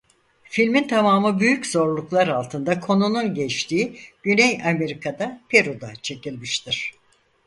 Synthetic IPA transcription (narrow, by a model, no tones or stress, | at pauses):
filʲmint̪ʰamaːmɯbyjyczo̞ɾlˠuklˠaɾalˠt̪ʰɯnd̪akʰo̞nununɟɛt͡ʃt̪ʰiːɟ̥ynɛjame̞ɾikʰad̪apʰe̞ɾud̪at͡ʃʰe̞cilʲmiʃt̪ʰiɾ̥